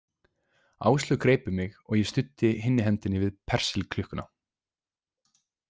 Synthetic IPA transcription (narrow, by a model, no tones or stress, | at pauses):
a̰ːwst̪lʏkɾeːjpʏmɪɣɔɣjɛst̪ʏt̪ːɪɦɪnːɪɦɛnt̪ɪnɪvɪðpʰɛr̥sɪlkʰlʏhkʏna̰